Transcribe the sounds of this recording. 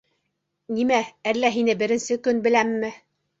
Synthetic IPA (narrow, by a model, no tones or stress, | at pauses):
nimæælːæɦinɘbɘ̆ɾɘ̆nsɘkɵnbɘ̆læmːɘ